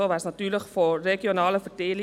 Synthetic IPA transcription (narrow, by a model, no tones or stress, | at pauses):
əlvɑsnɑtyːrləxfɔreɡionɑːləfərteːli